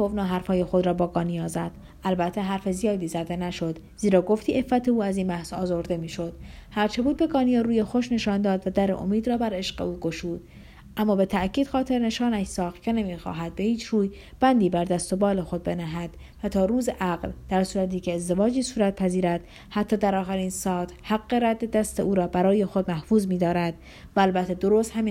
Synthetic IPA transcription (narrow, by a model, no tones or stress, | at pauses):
kovnɒːɦæɾfɒːjexo̞d̪ɾɒːbɒːɡɒːnijɒːzæd̪̥ | ʔælbæt̪ʰːeɦæɾfe̞zijɒːd̪iːzæd̪e̞næʃo̞d̪ | z̥iːɾɒːɡo̞ft̪iːʔe̞fːæt̪ʰeuːæziːnbæhsɒ̰ːzo̞ɾd̪e̞miːʃo̞d̪̥hæɾt͡ʃʰe̞buːd̪̚be̞ɡɒːnijɑːɾuːjexo̞ʃne̞ʃɒːnd̪ɒːd̪væd̪æɾeʔo̰miːd̪ɾɒːbæɾe̞ʃɢe̞̰uːɡoʃuːd̪̥ | ʔæmːɒːbe̞t̪ʰæʔkcʰiːd̪̥xɒːt̪ʰe̞ɾne̞ʃɒːnæʃsɒːxt̪̚cʰe̞nemiːxɒ̰ːɦæd̪̚be̞hiːt͡ʃʰruːj | b̥ænd̪iːbæɾd̪æst̪o̞bɒːle̞xo̞d̪̚be̞næɦæd̪̥ | væt̪ʰɒːɾuːzeʔæɢld̪̥æɾsuːɾæt̪iːcʰeːzd̪e̞vɒːd͡ʒiːsuːɾæt̪̚pʰæziːɾæd̪̥ | hæt̪ʰːɒːd̪æɾɒːxæɾiːnsɒːt̪ʰhæɡːe̞ɾæd̪ːed̪æst̪eʔuːɾɒːbæɾɒːjexod̪mæhfuːzmiːd̪ɒːɾæd̪̥ | væælbæt̪ʰːed̪oɾoːst̪hæmi